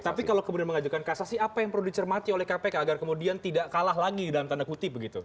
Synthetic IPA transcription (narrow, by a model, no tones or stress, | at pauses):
t̪apikalawkəmudianməŋad͡ʒukankasasiapajaŋpərlludit͡ʃərmat̪iolɛhkapekaaɡarkəmudiant̪idaʔkalaɦlaɡidalamt̪andakut̪ɪp̚bəɡit̪u